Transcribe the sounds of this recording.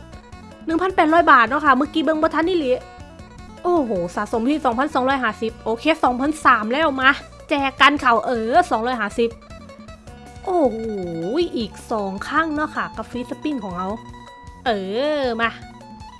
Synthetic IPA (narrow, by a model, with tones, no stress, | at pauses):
nɯ˨˩ŋpʰa˧˥npɛː˨˩t̪̚ɾɔː˥˨jbaː˨˩t̪̚nɔː˦˥˩kʰa˥˩mɯ˧˨kiː˧bɤ˧ŋbɔː˧˦t̪ʰa˧˥nːiː˥˩li˨˦ | ʔoː˧˩hoː˨˩saː˨˦so˨˩˦mpʰi˧˩sɔː˩˦ŋpʰa˧˥˨nsɔː˨˦ŋɾɔː˧˥˩jɦaː˨˩˦si˨˩p̚ʔoː˧˩kʰeː˧˥˨sɔː˨˩˦ŋpʰa˧˥˨nsaː˨˩˦mlɛː˥˩wmaː˧˩ | t͡ɕɛː˧˩ka˧nkʰa˨˩wʔɤː˧˩sɔː˨˦ŋɾɔː˧˥˩jɦaː˨˩˦si˨˩p̚ | ʔoː˧˩hoː˨˩jʔiː˨˩k̚sɔː˨˦ŋkʰa˥˩ŋnɔː˧˥˩kʰa˧˩ka˨˧˩p̚fi˦˥sa˧pi˧˩nkʰɔː˩˦ŋʔa˧˩w | ʔɤː˧˩ma˧